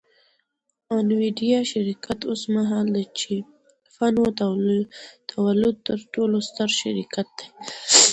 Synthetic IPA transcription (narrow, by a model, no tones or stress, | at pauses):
ɑnwiɖijɑʃaɾikat̪osmaɦɑld̪et͡ʃe | fano | t̪ʰawalʊd̪̚t̪əɾʈolost̪əɾʃaɾikat̪̚d̪̥ej